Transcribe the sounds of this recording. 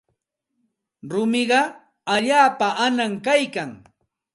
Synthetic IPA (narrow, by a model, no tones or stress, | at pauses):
ɾʊmɪɢɑ | aʎaːpaʔanaŋkajkaŋ